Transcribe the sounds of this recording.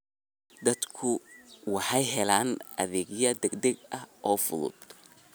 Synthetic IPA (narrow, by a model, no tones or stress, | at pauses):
d̪ɐd̪kʰʊwɑħɑjɦɛlaːnʔɐ̰ðɛːɡjɐd̪ɛɡd̪ɛɡɐhʔɔːfʊðʊ̰d̪